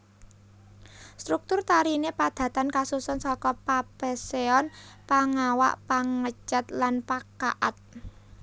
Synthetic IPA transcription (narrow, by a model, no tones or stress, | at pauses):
st̪ɾuk̚t̪ʊrt̪aɾinepad̪̥ä̤t̪ankasusɔnsɔkɔpab̥ɛ̤seɔnpaŋawa̰ʔpaŋət͡ʃət̪lanpaka̰ʔat̪̚